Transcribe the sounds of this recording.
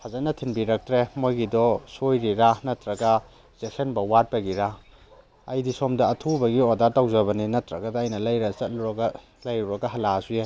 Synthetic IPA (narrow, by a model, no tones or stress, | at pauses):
hazanɐtʰinbiɾɐk̚tɾemojɡidɔsojɾiɾanɐtɾɐɡa | z̥esʰenbɐwat̚pɐɡiɾa | ɐjdisomdɐːtʰubɐɡiodaɾtawzɐβɐninɐtɾɐɡɐdɐːjnɐlɐjɾɐt͡ʃɐt̚luɾɐɡa | lɐjɾuɾɐɡɐɦɐlazuje